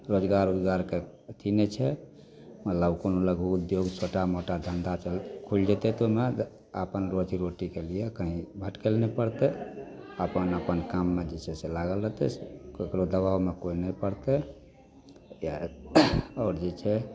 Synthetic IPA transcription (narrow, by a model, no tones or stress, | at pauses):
ɾod͡ʒɡaɾud̪ɡaɾke | t̪ʰinet͡ʃʰɛ | mət̪ləbkonoləɡʱuud̪joɡsoʈamoʈad̪ʱənd̪at͡ʃəlkʰuld͡ʒɛt̪ɛt̪ome | əpənɾot͡ʃiɾoʈikelijekəɦĩbʱəʈkelnɛpəɽt̪ɛ | əpənəpənkamːed͡ʒet͡ʃʰɛselaɡəlɾət̪ɛsekɾod̪əbawmekoinɛjpəɾt̪ɛ | ja | ɔːɾd͡ʒet͡ʃʰɛ